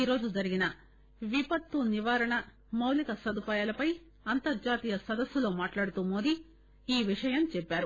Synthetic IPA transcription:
iɾo̞ːd͡ʒud͡ʒɐɾiɡinɐ | ʋipɐt̪ːuniʋaːɾɐɳɐ | mɐwlikɐsɐd̪upaːjaːlɐpɐj | ɐnt̪ɐɾd͡ʒaːt̪iːjɐsɐd̪ɐsːulo̞ːmaːʈlaːɽut̪uːmo̞ːd̪i | iːʋiʂɐjɐmt͡ʃɛpːaːɾu

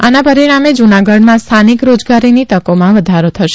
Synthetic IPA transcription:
anapəɾiɽ̃amed͡ʒunaɡəɽnãst̪ʰanikɾod͡ʒɡaɾinit̪əkomãʋəd̪ʱaɾot̪ʰəʃe

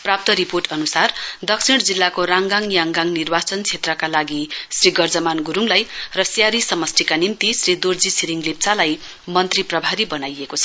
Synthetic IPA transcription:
prap̚t̪ʌɾiporʈʌnusard̪ʌksʰiɽd͡zilːakoɾaŋɡaŋjaŋɡaŋnirbat͡sʌnt͡sʰet̪rʌkalaɡisriɡʌrd͡zʌmanɡuɾuŋlajrʌsjaɾisʌmʌst̪ʰikanimt̪isrid̪ord͡zisiɾiŋlip̚t͡salaj | mʌnt̪riprʌbʱaɾibʌnajekot͡sʰʌ

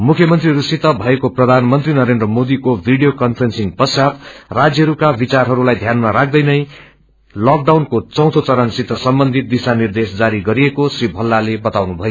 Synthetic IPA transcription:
mukʰjʌmʌnt̪riɦʌɾusit̪ʌbʱʌekoprʌd̪ʱanmʌnt̪rinʌɾend̪rʌmod̪ikobʱiɖijokʌnpʰʌrensiŋpʌsjat̪rad͡zjʌɦʌɾukabit͡sarɦʌɾulajd̪ʱjanmaɾak̚ʰd̪ʌjnʌj | lʌk̚ɖawnkot͡sʌ̃w̃t̪ʰot͡sʌɾʌnsit̪ːʌsʌmbʌnd̪ʱit̪̚d̪isanird̪esd͡zaɾiɡʌɾiekosribʱʌlːalebʌt̪awnubʱʌjo

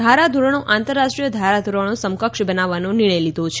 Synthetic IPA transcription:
d̪ʱaɾad̪ʱuɾəɳ̃oʔãnt̪əɾːaʃʈɾijəd̪ʱaɾad̪ʱuɾəɳõsəmkəkʃbənaʋanonɪɭ̃əjlid̪ot͡ʃʰ

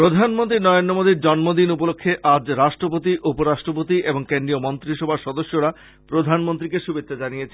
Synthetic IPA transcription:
pɾod̪ʱanmont̪ɾinɔeondomod̪ʱiɾd͡ʑɔnmod̪inupolokʰːeʔad͡ʑɾaʃʈɾop̬ot̪iʔupoɾaʃʈɾop̬ot̪iʔeboŋkend̪ɾijomɔnt̪ɾiʃɔbʱaʃɔd̪oʃːoɾa | pɾod̪ʱanmont̪ɾikeʃubet̪ːad͡ʑanijet͡ɕʰen

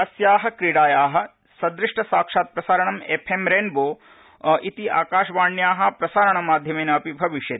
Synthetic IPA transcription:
ɐsjaːɦɐkɾiɽaːjaːɦɐ̆ | sɐd̪ɾiʂʈɐsaːkʂaːt̪̚pɾɐsaːɾɐɳɐmepʰemɾeːnboː | ʔit̪iʔa̰ːkaːʃʋaːɳjaːɦɐ̆pɾɐsaːɾɐɳɐmaːd̪ʱjɐmeːnɐːpibʱɐʋiʃjɐt̪i̥

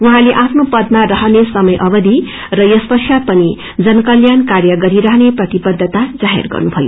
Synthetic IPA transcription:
uɦãleʔapʰnopʌd̪marʌɦʌnesʌmʌjʔʌbʌd̪ʱi | rʌjʌspʌsjapʌni | d͡zʌnkʌljankarjʌɡʌɾiɾʌɦʌneprʌt̪ibʌd̪ʱːʌt̪ad͡zaɦḛrɡʌ̰rnubʱʌjo̰

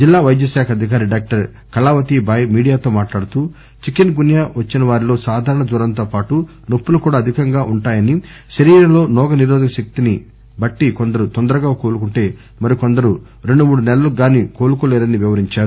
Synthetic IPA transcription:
d͡ʒilːaːʋɐjd̪jɐʃaːkʰɐd̪ʱik̬aːɾiɖaːk̚ʈɐɾ | kɐlaːʋɐt̪ibɐjmiːɽijaːt̪o̞ːmaːʈlaːɽut̪uː | t͡ʃikenɡunjaːʋɐt͡ʃːinɐʋaːɾilo̞ːsaːd̪ʱaːɾɐɳɐd͡ʒuːɾɐnt̪oːpaːʈu | nopːulukuːɽaːɐd̪ʱikɐŋɡaːʔuɳʈaːjɐniʃɐɾiːɾɐlo̞ːnɔːɡɐniɾɔːd̪ɐkɐʃek̚t̪ini | bɐʈːikond̪ɐɾut̪ond̪ɐɾɐɡaːkoːlukuɳʈe̞ː | mɐɾikond̪ɐɾu | ɾe̞ɳɖumuːɽunɛlɐluɡaːniːkoːlukulɛːɾɐnːiʋiʋɐɾiɲt͡ʃaːɾu

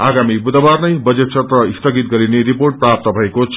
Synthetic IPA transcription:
aɡamibud̪abarnʌjbʌd͡zet̪̚t͡sʰʌt̪rʌist̪ʌɡit̪ɡʌɾineɾiporʈ̚prap̚t̪ʌbʱʌekot͡sʰ

